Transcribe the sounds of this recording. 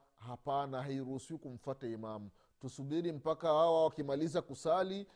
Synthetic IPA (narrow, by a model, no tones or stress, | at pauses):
hapanaɦaiɾuhusiwikum̩fataimamu | tusuɓiɾim̩pakahawawakimalizakusali